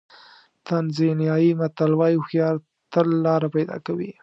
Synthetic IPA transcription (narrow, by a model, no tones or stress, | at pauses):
t̪anzinjɑjimat̪alwɑjoxjɑɾ | t̪əlːɑɾapajd̪ɑ̰kawḭ